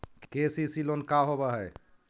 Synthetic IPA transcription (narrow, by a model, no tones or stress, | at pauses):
kkesisilonkaɦobaɦɛj